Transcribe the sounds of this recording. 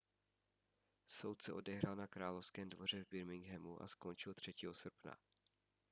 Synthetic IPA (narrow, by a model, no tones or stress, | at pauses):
so̞wt̪sɛʔo̞dɛɦɾalnakɾaːlofskɛːmdvo̞r̝ɛvbɪɾmɪŋɡɦɛmuʔa̰sko̞nt͡ʃɪlt̪r̝̥ɛciːɦosr̩pna̰